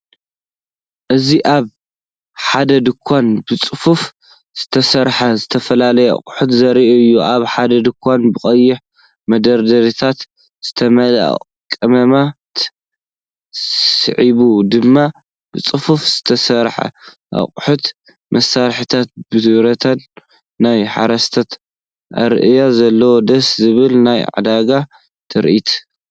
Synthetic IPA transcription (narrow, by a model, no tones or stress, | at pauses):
ʔɨziʔaβ | ħad̪ɐd̪ɨkʷʰːanbɨt͡sʼɨfuf | z̥ɨt̪ʰɐsɐɾħɐzɨt̪ʰɐfɐlalɐjɛʔɐ̰χʼħut̪zɐɾiʔɨjːuʔaβħad̪ɐd̪ɨkʷʰːanbɨχʼɐjːɪħ | mɐd̪ɐɾd̪ɐɾit̪ʰat̪ | z̥ɨt̪ʰɐmɐla̰ | kʼːɨmɐmat̪ | ssɨ̰ʕiβud̪ɨmːa | bɨt͡sʼɨfufz̥ɨt̪ʰɐsɐɾħa̰ | ʔa̰χʼħut̪ | mʔɐsːaɾħit̪ʰat̪̚bɨɨɾɐt̪ʰɐnː | ajħa̰ɾɐst̪ʰɐt̪ | ʔa̰ɾʔɨjazɐlːɐwod̪ɐszɨβɨlnajʕa̰d̪aɡa | t̪ʰɨɾʔit̪ʰ